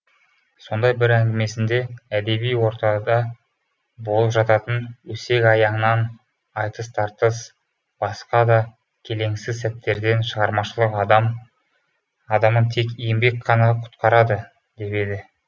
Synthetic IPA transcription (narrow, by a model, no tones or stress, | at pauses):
so̞nd̪ɑjbɪɾæŋɡʲɪme̞sɪnd̪e̞æd̪e̞bijwo̞ɾt̪ɑd̪ɑ | bo̞lˠəpʒɑt̪ɑt̪ənwɵse̞kʲɑjɑɴnɑn | ɑjt̪əst̪ʰɑɾt̪əs | b̥ɑsqɑd̪ɑ | kʲʰe̞le̞ŋsɪzsæp̚t̪ːe̞ɾd̪e̞nʃəʁɑɾmɑʃəlˠəq̪m | ɑd̪ɑmənt̪ʰe̞kjembe̞kʲqʰɑnɑqʰʊ̥t̪qɑɾɑd̪ə | d̪̥e̞pe̞d̪ɪ